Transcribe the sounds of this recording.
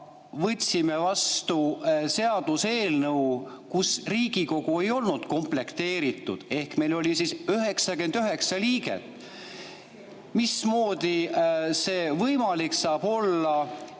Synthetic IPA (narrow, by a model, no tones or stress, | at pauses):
vɤt̪ʲsime̞vɑst̪use̞ɑd̪̥use̞ːlnɤw | kusriːɡ̥iko̞ɡ̥ue̞jo̞lnud̪̥ko̞mple̞kt̪e̞ːɾit̪ːˑud̪̥e̞hkme̞jlo̞lʲisisyɦe̞ksɑɡe̞nd̪̥yɦe̞ksɑliːɡḛt̪ːˑ | mismo̞ːd̪̥ise̞ːvɤjmɑliksɑːb̥o̞lːɑ